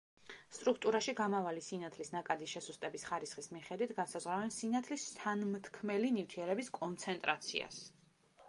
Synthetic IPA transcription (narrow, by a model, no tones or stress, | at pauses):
st̪ʼɾuk̚ʰt̪ʼuɾaʃiɡamavalisinat̪ʰlisnakʼad̪iʃɛsust̪ʼɛbisχaɾisχismiχɛd̪wit̪ʰɡansazʁɾavɛnsinat̪ʰlist̪ʰanmt̪ʰkʰmɛlinift̪ʰiɛɾɛbiskʼɔnt̪sʰɛnt̪ʼɾat̪sʰḭa̰s